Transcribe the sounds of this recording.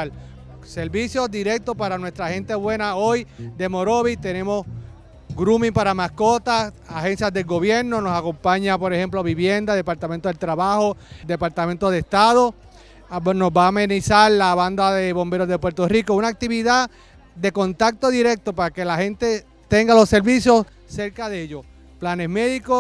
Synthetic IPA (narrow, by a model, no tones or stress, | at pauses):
l | se̞ɾβisjo̞sd̪iɾe̞k̚t̪ospaɾanwe̞st̪ɾahe̞nt̪eβwe̞nao̞jd̪e̞mo̞ɾo̞βit̪e̞nẽ̞mo̞s | ɡɾumĩŋpaɾamasko̞t̪asahe̞nsjazðe̞lɡo̞βje̞ɾno̞no̞sako̞mpaɲapo̞ɾe̞he̞mplo̞βiβje̞nd̪aðe̞paɾt̪amẽnt̪oðet̪ɾaβaho̞d̪e̞paɾt̪amẽnt̪oð̞est̪aðo̞ | no̞sbaːmẽnisaɾlaβand̪aðe̞βo̞mbe̞ɾo̞zðe̞pwe̞ɾt̪o̞riko̞unak̚t̪iβiða | d̪e̞ko̞nt̪ak̚t̪o̞ðiɾe̞k̚t̪o̞paɾake̞lahẽ̞nt̪e̞ | t̪e̞ŋɡalo̞sːe̞ɾβisjo̞s | se̞ɾkaðeʎo̞s | plane̞sme̞ðiko